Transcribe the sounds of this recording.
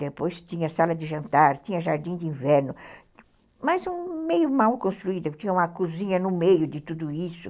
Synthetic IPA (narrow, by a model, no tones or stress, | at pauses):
d̪epojst͡ʃ̪ĩɲɐsalɐd̪ɪʒɐ̃nt̪aɾt̪ĩɲɐʒaɾd̪ĩd̪ɪĩvɛɾnʊ | mɐzũmejʊmawkõst̪ɾuid̪ɐt̪ĩɲɐũmɐkuzĩɲɐnʊmejʊd̪ɪt̪ud̪ʊisʊ